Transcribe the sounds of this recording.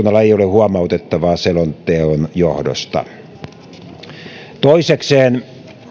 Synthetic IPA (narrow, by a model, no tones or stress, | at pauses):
nːɑlːɑeijolehuɑmɑˑut̪et̪ːɑʋɑːselont̪ˑeonjohdo̰st̪ɑ̰ | t̪oisekseːn